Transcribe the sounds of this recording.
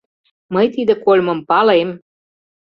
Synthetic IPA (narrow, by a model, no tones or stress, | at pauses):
məjt̪id̪ə̆kolʲmə̆mpɑlem